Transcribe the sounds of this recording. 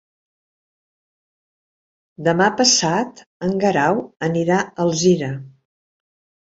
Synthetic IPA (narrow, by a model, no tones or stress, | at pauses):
d̪əmapəsat̪əŋɡəɾawəniɾaəlˠziɾə